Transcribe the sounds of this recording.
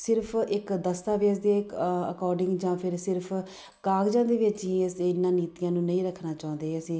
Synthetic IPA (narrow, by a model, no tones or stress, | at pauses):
sɪɾpʰɪkd̪əst̪aːʋeːs̬d̪eːə̰kɔːɾɖɪ̃ŋɡd͡ʒãːpʰɪɾsɪɾpʰ | kaːɡd͡ʒãːd̪eːʋɪt͡ʃɦĩːsɪnːãːniːt̪ijãːnũːnəĩːɾəkʰːnaːt͡ʃaːʊ̃nd̪eːɦːəsĩː